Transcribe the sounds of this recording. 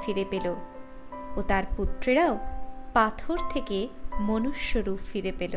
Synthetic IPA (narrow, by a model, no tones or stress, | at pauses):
fiɾepelo | ot̪aɾput̪ːɾeɾaopat̪ʰoɾt̪ʰekemonuʃːoɾupfiɾepelo